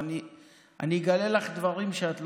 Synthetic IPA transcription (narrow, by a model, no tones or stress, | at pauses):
ni | a̰niɡalelaχd̪vaʁimʃeat̪l